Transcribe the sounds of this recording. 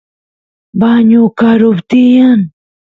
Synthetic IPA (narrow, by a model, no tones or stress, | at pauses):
baɲukaɾʊbt̪ijan